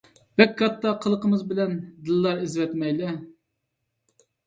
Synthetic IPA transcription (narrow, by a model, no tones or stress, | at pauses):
bɛkʲʰːɑt̪ːɑqʰəlˠəqəmɨzbɪlɛnd̪ɨlˠːɑɾizvɛt̪mɛjlɛ